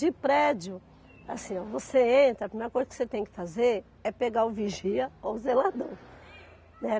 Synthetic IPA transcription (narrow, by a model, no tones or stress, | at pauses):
d͡ʒɪpɾɛd͡ʒʊ | asĩovoseẽnt̪ɾɐpɾimeɾɐkojzɐkɪ̥set̪ẽj̃kɪ̥fazeɾ | ɛpeɡaʊviʒiɐowzelad̪ɐ̃w̃ | nɛ